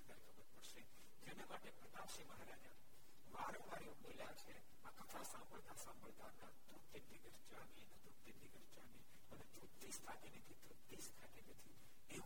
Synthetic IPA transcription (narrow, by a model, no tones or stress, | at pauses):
k̪əɾikʰəbəɾpəɽʃe | d͡ʒenemaʈepɾət̪apʃiməɦɾad͡ʒa | ʋaɾõʋaɾjõboljat͡ʃʰe | akət̪ʰasãmbəɭt̪asãmbʱəɭt̪anad̪ut̪ed̪iɡəɾd͡ʒamienəd̪ut̪ed̪iɡəɾd͡ʒami | ənet͡ʃut̪ːisk̪ʰak̪enet̪ʰit̪ut̪ːiskʰat̪enət̪ʰi | e